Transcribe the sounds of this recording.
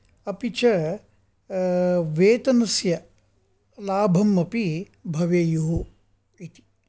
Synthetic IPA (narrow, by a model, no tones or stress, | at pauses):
ɐpit͡ʃɐ | ʋeːt̪ɐnɐsjɐ | laːbʱɐmɐpi | bʱɐʋeːjuɦu | it̪i̥